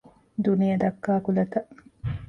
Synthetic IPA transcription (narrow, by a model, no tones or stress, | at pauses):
d̪unijɐd̪ɐkːaːkulɐt̪ɐ